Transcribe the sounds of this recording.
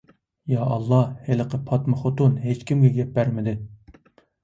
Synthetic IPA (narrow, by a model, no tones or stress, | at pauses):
jɑɑlˠːɑheləqʰəpʰɑt̪mɨχot̪unɦet͡ʃkʲimɡʲɛɡʲɛp̚bæɾmɪd̪ɪ